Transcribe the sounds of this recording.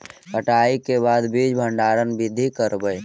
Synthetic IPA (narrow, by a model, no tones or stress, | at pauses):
ɦəʈaikebad̪bid͡ʒbʱəɳɖaɾənbid̪ʱːikəɾbəj